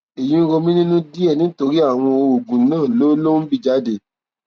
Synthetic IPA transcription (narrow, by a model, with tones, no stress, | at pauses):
e˨j̃ĩ˨˦ɾo˧mĩ˦nĩ˦nũ˦di˦ɛ˦˨nĩ˨˦to˧ɾi˦a˦˨w̃ɔ̃˧o˧o˨ɡũ˨˦nãː˦˨lo˦lo˦n̩˦bi˦˧˨d͡ʒa˦de˧˨